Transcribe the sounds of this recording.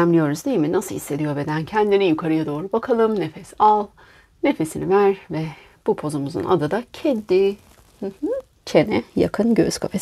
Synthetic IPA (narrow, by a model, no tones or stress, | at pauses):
æmlʲijo̞ɾuzd̪ejiminasɯhisːe̞d̪ijo̞be̞d̪æncʰɛnd̪inijukʰaɾɯjad̪o̞ːɾubakʰalˠɯmne̞fɛsalˠ | ne̞fe̞sinivæɾvɛ | b̥upʰo̞zumuzṵna̰d̪ɯd̪acʰed̪ːi | h̩h̩ | t͡ʃʰenɛja̰kʰɯnɟøz̥kʰafes